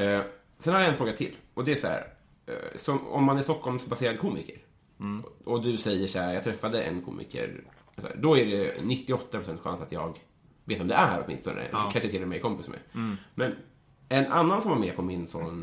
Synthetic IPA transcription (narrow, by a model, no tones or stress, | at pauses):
sɛnhaɾjaɛnfɾoːɡat̪ʰɪlːɔd̪ɛæsɔæ̰ːɾ | sɔmɔ̰mːanæɾst̪ɔkʰːɔlmsbaseːɾad̪əkʰuːmɪ̰kəɾ | ɔd̪ɵsɛjːəʂæːjɑːɡt̪ʰɾɛfːad̪əʔɛ̰nkʰṵːmɪ̰kʰə̰ɾ | sæ̰ːd̪ɔæɖɛnɪt̪ːɪɔt̪ːapʰɾʊsɛnt̪ɧa̰nsat̪jɑːɡ | veːt̪vɔmd̪ɛʔæɾɔ̰t̪mɪ̰nst̪ɔnə̰kʰanʂət̪ɪlːɛɾmɛɪjkʰɔmpɪsmɛ̰mɛn | ɛnʔa̰nːansɔmvaɾmɛːpʰɔmɪnsɔn